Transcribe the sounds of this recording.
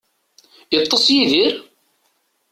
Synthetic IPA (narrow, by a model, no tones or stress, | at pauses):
jət̪ˤːəsjiðiɾ